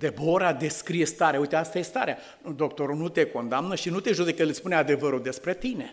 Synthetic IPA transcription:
d̪e̞boɾad̪e̞skɾijest̪aɾeaujt̪east̪ajest̪a̰ɾea | d̪o̞k̚t̪o̞ɾunut̪e̞ko̞nd̪amnəʃinut̪e̞ʒud̪ekəlspunead̪e̞vəɾud̪e̞spɾe̞t̪ine̞

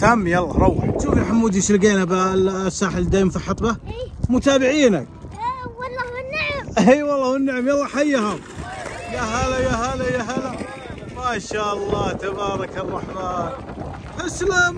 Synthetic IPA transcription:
t̪amːjalˤːɑ̰ɾˤɑwɪʃuːfjaħamːuːd̪iʃɪlɡeːnabasːaːħɪld̪aːjmfiħɑt̪ˤbamʊt̪aːbɪʕiːnak̚ː | iːwɑlˤːɑːwɪnːɪʕɪmjɑlˤːɑħajːahʊmjaɦalajaɦalajaɦala | maːʃaːʔɑlˤːɑːt̪abɑːɾˤɑkɑrˤːɑħmaːn | ʔaslam

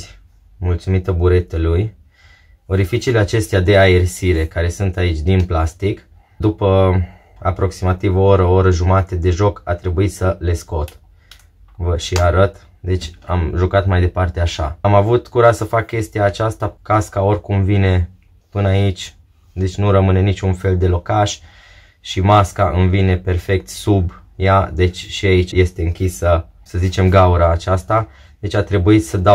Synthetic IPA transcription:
mult̪sumit̪əbuɾe̞t̪eluj | oɾifit͡ʃile̞at͡ʃe̞st̪ead̪e̞ae̞rsiɾe̞kaɾe̞sunt̪ait͡ʃʲd̪inplast̪ik | d̪upə | a̰pɾo̞ksimat̪ivooɾəoɾəʒumat̪ed̪e̞ʒo̞kat̪ɾe̞buit̪səle̞sko̞t̪ | vəʃiaɾət̪ | d̪e̞t͡ʃʲa̰mʒukat̪majd̪e̞part̪e̞aʃa̰amavut̪kuɾasəfakːʲe̞st̪ijaːt͡ʃast̪akaskao̞rʲkumvine̞ | pɨnait͡ʃʲ | d̪e̞t͡ʃʲnuɾəmɨne̞nit͡ʃʲunfe̞ld̪e̞lo̞kaʃʲ | ʃimaskaʔɨnvine̞pe̞rfe̞k̚t̪sub | jad̪e̞t͡ʃʲʃiait͡ʃje̞st̪eɨŋkʲisə | səzit͡ʃe̞mɡauɾaːt͡ʃast̪a | d̪e̞t͡ʃʲat̪ɾe̞buisəd̪a

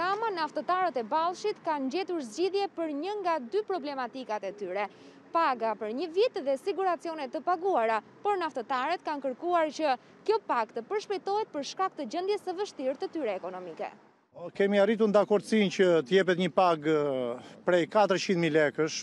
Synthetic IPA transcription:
ɾamanaft̪ət̪aɾət̪ɛbalˠʃit̪kand͡ʑɛt̪uɾzd͡ʑiðjɛpəɾɲəŋɡad̪ypɾɔblɛmat̪ikat̪ɛt̪yɾɛ | paɡapəɾɲəvit̪ðɛsiɡuɾat͡siɔnɛt̪ːəpaɡuaɾa | pɔɾnaft̪ət̪aɾɛt̪kankəɾkuaɾt͡ɕə | kjɔpakt̪əpəɾʃpɛjt̪ɔɦɛt̪̚pəɾʃkak̚t̪əd͡ʑənd̪jɛsəvəʃt̪iɾt̪ət̪yɾɛːkɔnɔmikɛ̰ | kɛmiarit̪̬uɾnd̪akɔɾt̪sincət̪əjɛp̬ɛt̪ɲəpaɡ | pɾɛjkat̪əɾt͡ɕind̪milɛkəʃ

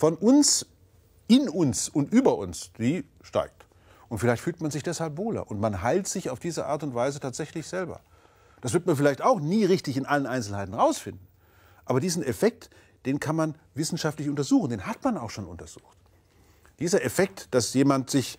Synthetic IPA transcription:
fɔnʔʊns | ɪnʊnsʊntʔyːbɐʔʊ̰nsd̥iː | ʃta̰ɪk̚t | ʔʊntfɪlaɪçtfyːltmanzɪçd̥ɛshalpvoːlɐ̰ʔʊntmanɦaɪltz̥ɪçaʊfd̥iːzəʔa̰ːɐtʊntv̥aɪzətʰaːtz̥ɛçlɪçz̥ɛlbɐ̰ | d̥asv̥ɪɐtmanfɪlaɪçtaʊxniːʁɪçtɪçɪnʔalənʔaɪnsl̩haɪtn̩ʁaʊsfɪndn̩ | ʔaːbɐdiːzn̩ɛfɛk̚t | d̥eːnkʰanman | vɪsn̩ʃaftlɪçʊntɐzuːxn̩deːnhatmanaʊxʃoːnʊ̰ntɐz̥uːxt | d̥iːzɐʔɛfɛk̚td̥asjeːmantz̥ɪç

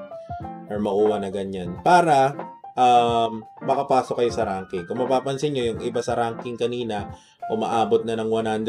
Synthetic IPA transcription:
ʔɐɹmɐɡuːwɐnɐɡɐɲanpaːɾɐʔɐmːɐkɐpaːsokɐjo̞sɐɾaŋkɪŋkʊŋmɐpaːpɐnsɪɲɲo̞jʊŋʔɪbasɐɾaːŋkɪŋkɐniːnɐ | ʔʊma̰ʔaːbot̪̚nɐnɐŋwɐnhand̪

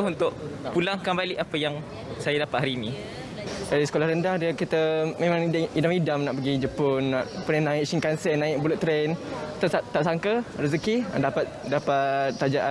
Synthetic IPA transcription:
unt̪ʊʔpulaŋkanbalɪʔapəjaŋ | sajadapat̪ɦaɾiːnĩ | daɾisə̥kolahɾəndahdəkit̪əmẽmãŋdidamidamnaʔpəɡid͡ʒəpʊnːaʔpənənãɪʔʃiŋkansɛnãɪʔ̚bulʊʔt̪ɾɛnt̪at̪aʔsaŋkəɾəzəkidapat̪̚dapat̪ːad͡ʒaʔa

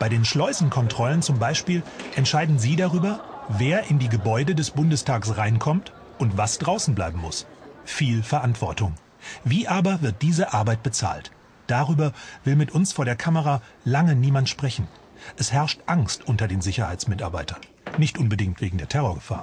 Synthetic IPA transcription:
b̥aɪdeːnʃlɔʏzn̩kʰɔntʁ̥ɔlənt͡sʊmbaɪʃpiːlʔɛntʃaɪdn̩ziːdaʁyːbɐveːɐʔɪndiːɡəbɔʏdədɛsb̥ʊndəstʰaːksʁaɪnkʰɔmt | ʔʊntv̥asd̥ʁaʊsn̩blaɪbm̩mʊsfiːlfɛɐʔantv̥ɔɐtʊŋ | viːʔaːbɐvɪɐt̚d̥iːzəʔaɐbaɪt̚b̥ət͡sa̰ːlt | d̥aʁyːbɐvɪlmɪtʔʊnsfoːɐɾeːɐkʰaməʁalaŋəniːmantʃpʁ̥ɛçn̩ | ʔɛshɛɐʃtʔaŋstʔʊntɐdeːnzɪçɐhaɪt͡smɪtaɐbaɪtɐnː | ɪçtʔʊnbədɪŋtv̥eːɡŋ̩deːɐtʰɛʁ̞oːɐɡəfa̰ːɐ

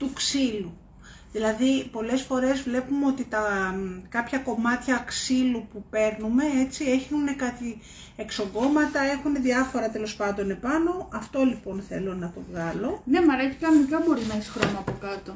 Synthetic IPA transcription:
t̪uksilu | ðilɐðipo̞le̞sfo̞ɾe̞zvle̞pumeo̞t̪it̪ɐkɐpçɐko̞mɐt̪çɐksilupupe̞ɾnume̞e̞t͡sie̞çune̞kɐt̪i | ekso̞ŋɡo̞mɐt̪ɐe̞xune̞ðiɐfo̞ɾɐt̪e̞lo̞spɐnd̪o̞ne̞pɐno̞ʔɐft̪o̞lipo̞nθe̞̰lonɐt̪o̞vɣɐlo̞ne̞mɐɾeçi̥kɐnonikɐbo̞ɾinɐesi̥xɾo̞mɐːpokɐt̪o̞

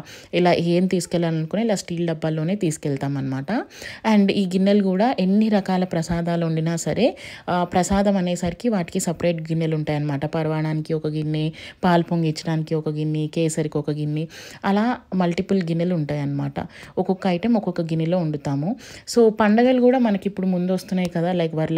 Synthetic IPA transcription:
ilaːʔeːmt̪iːsu̥kɛlːaːlɐnukunːilaːsʈiːlɖɐbːɐlːoːne̞ːt̪iːsu̥kɛlt̪aːmɐnɐmaːʈɐɐɳɖiːɡinːɐluɡuːɽaːʔe̞nːiɾɐkaːlɐpɾɐsaːd̪aːluuɳɖinaːsɐɾe̞ːpɾɐsaːd̪ɐmɐneːsɐɾikiʋaːʈi̥kisɐpɾɐjʈ̚ɡinːeluɳʈaːjɐnɐmaːʈɐpɐɾɐʋaːɳaːnikiɔkɐɡinːipaːlpoŋɡit͡ʃːɐɽaːnikiɔkɐɡinːikeːsɐɾikiɔkɐɡinːiɐlaːmɐlʈipulɡinːɐluɳʈaːjɐnːɐmaːʈɐ̰ɔkɔkːɐɐjʈemɔkɔkɐɡinilo̞ːuɳɖut̪aːmuso̞ːpɐɳɖɐɡɐlukuːɽaːmɐnɐkipːuɽumund̪uʋɐst̪unːaːjkɐd̪aːlɐjkɐʋaːɾl

